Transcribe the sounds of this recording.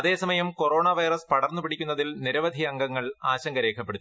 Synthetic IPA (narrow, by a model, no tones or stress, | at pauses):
ɐðe̞ːsɐmɐjɐmko̞ro̞ːɳɐʋɐjrɐspɐɽɐrnːupiɽikʲːunːɐðilniɾɐʋɐd̪ʱiɐŋɡɐŋːɐɭaːɕɐŋɡɐɾe̞ːkʰɐpːe̞ɽut̪ː